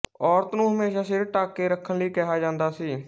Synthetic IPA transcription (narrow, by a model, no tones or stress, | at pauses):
ɔːɾt̪nũːɦəmeːʃaːʃɪɾʈaːkːeːɾəkʰːənliːkɛɦaːd͡ʒãːnd̪aːsiː